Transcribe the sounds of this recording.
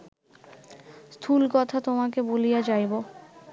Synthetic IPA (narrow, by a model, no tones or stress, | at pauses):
st̪ʰulkɔt̪ʰat̪omak̬ebolijad͡ʑajbo